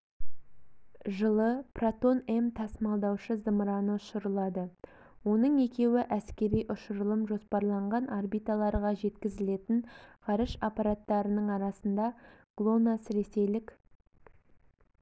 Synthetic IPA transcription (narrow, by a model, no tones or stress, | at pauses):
ʒəlˠəprat̪o̞ne̞mt̪ʰɑsmɑlˠd̪ɑwʃəzəmɾɑnəʊʃʊɾəlˠɑd̪ə | wo̞nəɴe̞kʲe̞wɪʔæskʲe̞ɾijʔʊʃʊɾəlˠəmʒo̞spɑɾlˠɑɴʁɑnʔarbijt̪alˠɑɾʁɑʒe̞t̪kʲɪzɪle̞t̪ɪŋqʰɑɾəʃapɑɾat̪ːɑɾənəɴɑɾɑsənd̪ɑɡ̥lˠonasɾe̞se̞jlɪkʲ